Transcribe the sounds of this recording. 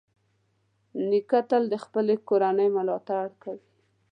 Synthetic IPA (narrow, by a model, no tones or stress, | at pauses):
nikat̪ald̪əxpəlekoɾanəjmʊlɑt̪aɽkawi